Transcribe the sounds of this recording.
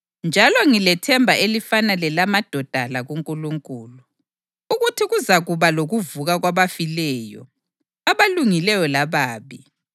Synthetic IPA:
nd͡ʒʱalɔŋilɛtʰɛmbʱaʔelifanalɛlamad̥ʱɔd̥ʱalaɣuŋkʼuluŋkʼuːlu | uɣutʰiɣuzaɣuβaloɣuvuɣaɣwaβafilɛːjɔ̰ | aβaluŋilɛjɔlaβaːβi

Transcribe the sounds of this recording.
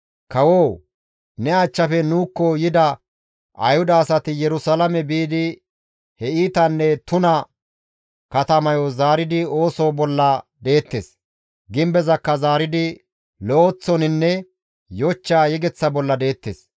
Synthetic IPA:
kɐwoː | nɛat͡ʃːɐfɛnuːkːɔjɪd̪ɐ | ʔɐ̰jhʊd̪ɐːsɐt̪ɪjɛɾʊsɐlɐmɛbiːd̪ɪ | hɛiːt̪ɐnːɛt̪ʊnɐ | kɐt̪ɐmɐjɔzaːɾɪd̪ɪo̞ːsoːbɔlːɐd̪e̞ːt̪ːḛːs | ɡɪmbɛzɐkːɐzaːɾɪd̪ɪ | lɔot͡sːɔnɪnːɛ | jɔt͡ʃːaːjɛɡɛt͡sːɐbɔlːɐd̪e̞ːt̪ːḛːs

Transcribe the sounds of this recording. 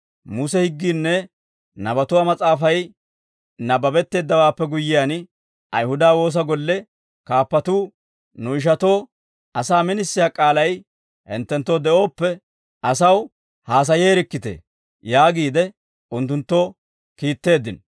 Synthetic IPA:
mʊsɛhɪɡːiːnːɛ | nɐbɐt̪ʊwaːmɐt͡sʼaːfɐj | nɐbɐbɛt̪ːe̞ːd̪ːɐwaːpːɛɡʊjːɪjaːn | ʔɐjhʊd̪aːwo̞ːs̬ɐɡɔlːɛ | kaːpːɐt̪uː | nʊɪʃ̬ɐt̪o̞ː | ʔɐsaːmɪnɪsːɪjaːkʼaːlɐj | hɛ̰nt̪ːɛnt̪ːo̞ːd̪ɛʔo̞ːpːɛ | ʔɐsɐw | haːs̬ɐje̞ːɾɪkːɪt̪ḛ | jaːɡiːd̪ɛ | ʊnt̪ːʊnt̪ːo̞ː | kiːt̪ːe̞ːd̪ːɪn

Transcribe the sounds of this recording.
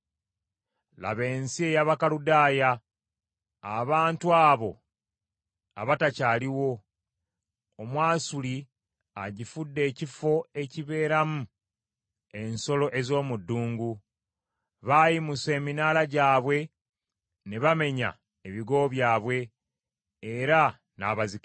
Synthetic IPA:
la̰βe̞ːnsie̞jaβakaludaːja | βaːntuaːβo̞̰ | a̰βatacaːliwo̞ | omwaːsuli | aɟifudːe̞ːcifo̞e̞ciβe̞ːɾamu | e̞nso̞lo̞ʔe̞zo̞ːmudːuːŋɡu | βajimuse̞ːminaːlaɟaːβwe̞ | ne̞βame̞ɲa̰ | eβiɡo̞ːβjaːβwe̞ː | ɾa | na̰ːβaziki

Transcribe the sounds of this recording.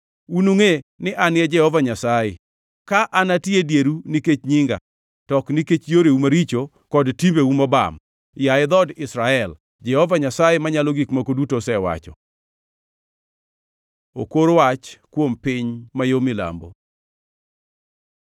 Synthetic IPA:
unuŋenɪʔanɪɛd͡ʒɛhɔvaɲasaje | kaʔanatjedjeɾuniket͡ʃɲiŋɡa̰ | tɔkniket͡ʃjoɾeumaɾit͡ʃo | kɔdtimbeumɔba̰m | jaɪd̪ɔdɪsɾaɛl | d͡ʒɛhɔvaɲasajemaɲaloɡikmakodutosɛwa̰t͡ʃɔ̰ | o̰koɾwat͡ʃkwompɪɲmajomɪla̰mbo̰

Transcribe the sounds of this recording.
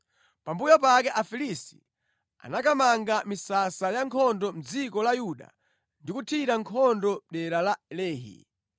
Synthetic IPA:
pambujɔpakɛʔafilisi̥̰ | a̰nakamaŋɡamisasajaŋkʰɔndɔm̩d͡zikɔlajuɗa̰ | ndikutʰiɾaŋkʰɔndɔɗɛɾalalɛːɦḭ

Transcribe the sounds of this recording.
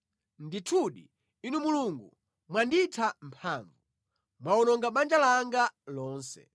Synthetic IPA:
nditʰuɗḭ | inumuluŋɡṵ | mwanditʰampʰaːɱvu | mwaɔnɔŋɡaɓand͡ʒalaŋɡalɔːnsɛ̰

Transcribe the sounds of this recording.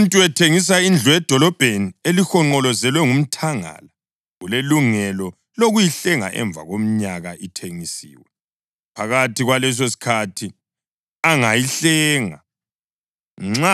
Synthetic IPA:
ntʼuɛtʰeŋis̬aind͡ɮʱuɛd̥ʱɔlɔb̥ʱenielixɔŋ͡ǃɔlɔzɛlwɛŋum̩tʰaŋa̰la | ɣuleluŋɛlɔ | loɣujiɬɛŋa̰ʔɛ̰ɱbvʱa̰ɣom̩ɲaɣaʔitʰeŋisḭːwɛ | pʰaɣatʰiɣwalɛs̬osi̥kʰatʰi | aŋajiɬɛːŋa̰ | ŋ͡ǁa

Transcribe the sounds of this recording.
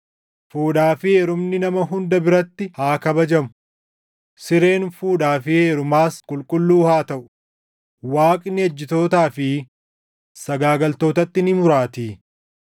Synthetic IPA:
fuːᶑaːfɪeːɾʊmnɪnɐmɐɦʊnd̪ɐbɪɾɐt̪ːɪhaːkɐbɐd͡ʒɐmʊ̥ | sɪɾe̞ːnfuːᶑaːfɪeːɾʊmaːskʼʊlkʼʊlːuːhaːt̪ɐʔʊ̥ | waːkʼnɪɐd͡ʒːɪt̪o̞ːt̪aːfɪ | sɐɡaːɡɐlt̪o̞ːt̪ɐt̪ːɪnɪmʊɾaːt̪iː

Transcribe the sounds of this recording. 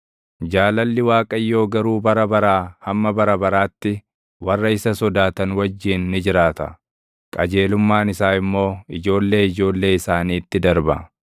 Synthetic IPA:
d͡ʒaːlɐlːɪwaːkʼɐjːo̞ːɡɐɾuːbɐɾɐbɐɾaːhɐmːɐbɐɾɐbɐɾaːt̪ːɪ | wɐrːɐɪsɐsɔd̪aːt̪ɐnwɐd͡ʒːɪːnːɪd͡ʒɪɾaːt̪ɐ̰ | kʼɐd͡ʒe̞ːlʊmːaːnɪsaːɪmːo̞ːɪd͡ʒo̞ːlːe̞ːɪd͡ʒo̞ːlːe̞ːɪsaːniːt̪ːɪd̪ɐɾbɐ̰

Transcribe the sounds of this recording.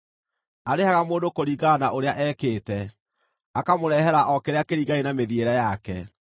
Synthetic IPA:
aɾehaɣamoːdokoɾiːɡanaʔoɾeaʔɛːkeːtɛ | akamoɾɛɦɛɾaʔɔkeɾeakeɾiːɡaenameðieɾɛjakɛ

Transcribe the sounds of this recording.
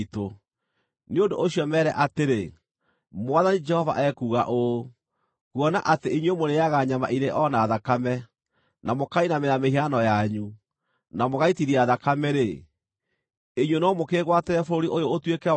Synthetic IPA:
to | neondoʔoɕiɔmɛɾɛʔateɾe | mwaðanid͡ʒɛhɔva̰ʔɛkuːɣaʔo | ɣwɔna̰ʔateiɲwemoɾejaɣaɲama̰ʔiɾeʔɔnaːðakamɛ | namokainameɾameɦianɔjaɲu | namoɣaitiɾiaðakamɛɾe | eɲwenɔmokeːɣwateɾɛfoɾoɾiʔojoːtwekɛ

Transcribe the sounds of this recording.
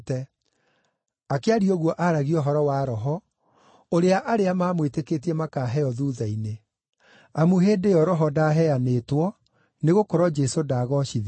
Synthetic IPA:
tɛ | akeaɾiɔɣwɔʔaɾaɣiɔɦɔɾɔwaɾɔɦɔ | oɾeaʔaɾeamaːmweteket̬iɛmakaɦɛjɔðuːðaine | amuɦeːdejɔɾɔɦɔdaɦɛjanetwɔ | neɣokɔɾɔd͡ʒɛsodaɣɔʃið

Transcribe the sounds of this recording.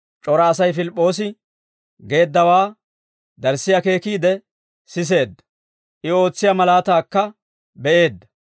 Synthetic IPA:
t͡ʃʼɔɾɐːsɐjfɪlɪpʼːo̞ːs̬ɪ | ɡe̞ːd̪ːɐwaː | d̪ɐɾsɪjɐke̞ːkiːd̪ɛ | sɪs̬e̞ːd̪ːɐ̥ | ʔɪo̞ːt͡sːɪjamɐlaːt̪aːkːɐ | bɛʔe̞ːd̪ːɐ̥

